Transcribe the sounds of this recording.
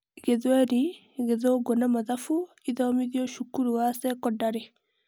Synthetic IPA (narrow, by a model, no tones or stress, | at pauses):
ɡeðwɛɾi | ɡeðoɡonamaðafu | iðɔmiðiɔʃukuɾuasɛkɔdaɾe